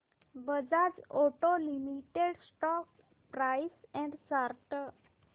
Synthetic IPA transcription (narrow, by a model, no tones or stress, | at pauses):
bəd͡ʒad͡ʒoʈolimiʈeɖsʈɔk̚ | pɾaisɛ̃ɳɖsaɾʈə